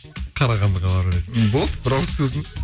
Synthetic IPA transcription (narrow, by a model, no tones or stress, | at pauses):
qʰɑɾɑʁɑnd̪əʁɑb̪ɑɾɾet̪bolˠd̪bɪɾɑsɵzɪŋɪz